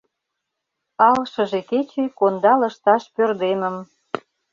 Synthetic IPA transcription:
ɑlʃə̆ʒeket͡ɕekond̪ɑlə̆ʃt̪ɑʃpørd̪eməm

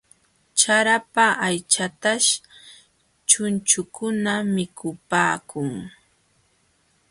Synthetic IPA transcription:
t͡ʃaɾapaʔajt͡ʃat̪aʃ | t͡ʃʊnt͡ʃʊkʊnamɪkʰʊpaːkʊŋ

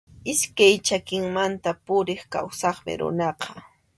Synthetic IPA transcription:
ɪskajt͡ʃakɪŋmant̪apʊɾɪχkawsɑχmɪ̰ɾʊ̰nɑqɑ̥

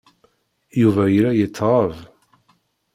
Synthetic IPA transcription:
juvæjɾæjət͡sːʁɑv

